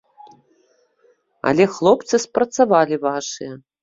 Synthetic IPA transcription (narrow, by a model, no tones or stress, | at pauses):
ɐ̰lʲɛxlˠɔpt̪sɨspɾɐt̪savalʲivaʂɨjɛ